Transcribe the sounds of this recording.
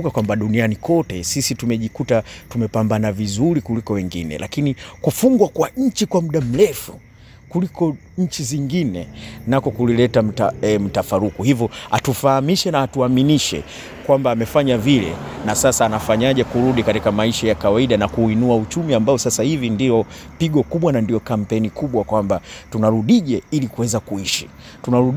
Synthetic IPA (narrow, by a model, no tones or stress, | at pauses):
kakwambaɗunianikɔtɛsisitumɛʄikutatumɛpambanavizuɾikulikɔwɛŋɡinɛ̰lʔa̰kinikufuŋɡwakwaɲ̩t͡ʃikwamuɗam̩lɛfu | kulikɔ | ɲ̩t͡ʃiziŋɡinɛnakɔkulilɛtam̩taɛm̩tafaɾukuhivjɔa̰tufahamiʃɛnaːtuaminiʃɛ̰ | kwambaːmɛfaɲavilɛ̰nasasaːnafaɲaʄɛkuɾuɗikatikamaiʃajakawaiɗanakuinuaut͡ʃumiambaɔsasahivindiɔpiɡɔkuɓwanandiɔkam̩pɛnikuɓwakwambatunaɾuɗiʄɛilikuwɛzakuiʃi | tunaɾu